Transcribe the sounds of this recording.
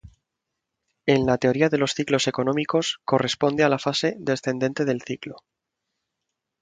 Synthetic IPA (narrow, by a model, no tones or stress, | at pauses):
e̞nlat̪e̞o̞ɾiaðe̞lo̞sθiklose̞ko̞nõ̞miko̞sko̞re̞spo̞nd̪ealafase̞ðe̞sθe̞nd̪e̞nt̪e̞ð̞e̞lθiklo